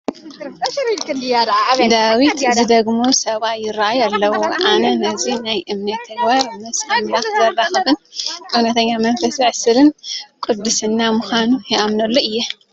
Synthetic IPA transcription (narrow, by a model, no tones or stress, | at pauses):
kɨad̪d̪awit̪zɨd̪ɐɡmosɐβajɪɾaʔajalːɐwoʕanɐnɐzinajʔɨmnɐt̪ʰːɐɡbaɾnɐsʼamlat̪zɐlːaxɨbɨnʼɨunɐt̪ʰɐɲːamɐnfɐsiʕsɨlɨnkʼɨd̪ːɨsɨnːamuxanujɛʔamnɐlːoʔɨjːɛ